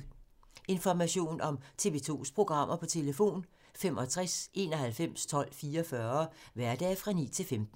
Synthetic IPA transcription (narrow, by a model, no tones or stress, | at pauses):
e̝nfɒmæɕo̝̰ːnɒ̽mt͡sʰe̝ʋeːt͡sʰo̝̰ːspʰʁo̝ɡ̥ʁɑ̈m̰ʔɐpʰɒ̽t͡sʰe̝ləfo̝̰ːn | fem̰ʔɒ̽t͡sʰʁasʔe̝ːnɒ̽hælfem̰st͡sʰɒ̽l̰fiːɐfɶɐʋæɐd̥ɛ̰ːfʁɑ̈nḭːt͡sʰe̝lfemd̥n̩